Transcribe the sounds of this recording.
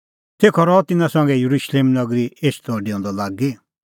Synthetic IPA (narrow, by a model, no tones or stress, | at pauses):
sʰeːkʰɔɾɔːt̪ɪnãsɔ̃ŋɡɛjuɾuʃleːmnɐɡɾieːt͡ʃʰt̪ɔɖiɔ̃ːnd̪ɔlaːɡi